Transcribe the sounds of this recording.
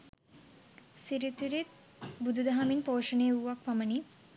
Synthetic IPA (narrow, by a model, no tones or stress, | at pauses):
siɾit̪uɾit̪ | bud̪ʱud̪ʱɐɦaminpoːʂɐnejuʋak̚pɐmɐni